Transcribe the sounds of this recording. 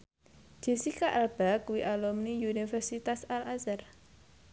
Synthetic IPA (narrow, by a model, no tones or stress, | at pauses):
d͡ʒ̥e̤sikaʔalb̥akuwiʔalɔmnijunifɛrsit̪asalasar